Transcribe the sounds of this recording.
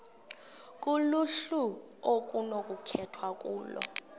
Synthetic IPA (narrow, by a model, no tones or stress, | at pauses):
k̬ʼuluɬu | ok̬ʼunokʼukʰɛtʰwakʼuːlɔ̰